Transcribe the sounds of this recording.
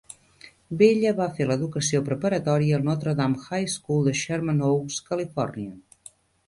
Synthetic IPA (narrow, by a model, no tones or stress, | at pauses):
beʎəβafeləðukəsiopɾəpəɾət̪ɔɾiəːlˠnɔt̪ɾəðamxajskulˠd̪əʃəɾmənowskəlifɔ̰rniə